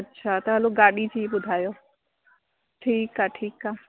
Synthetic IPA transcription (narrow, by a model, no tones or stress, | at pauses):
ɐtːɕʰat̪ɐɦəloɡaɽid͡ʑeiebʊd̪ʱajo | ʈʰiːkaʈʰiːka